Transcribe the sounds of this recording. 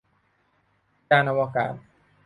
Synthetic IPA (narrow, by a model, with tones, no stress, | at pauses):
t͡ɕaː˧nʔa˧waː˧ka̰ː˨˩˦t̪̚